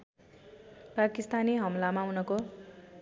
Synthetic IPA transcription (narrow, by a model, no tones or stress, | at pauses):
pakist̪aniɦʌmlamawnʌko